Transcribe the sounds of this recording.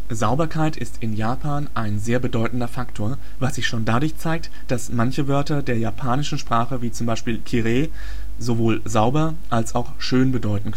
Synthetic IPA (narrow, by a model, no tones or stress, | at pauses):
zaʊbɐkʰaɪtɪstʰɪnjaːpʰaːnʔaɪnzeːɐbədɔʏtn̩dɐfaktʰoːɐ | vasz̥ɪçʃoːndadʊɐçt͡saɪk̚t | d̥asmançəvœɐtɐdeːɐjaːpʰaːnɪʃn̩ʃpʁ̥aːχəviːt͡sʊmbaɪʃpiːlkʰiʁeː | zovoːlzaʊbɐ | ʔalsaʊxʃøːnbədɔʏtn̩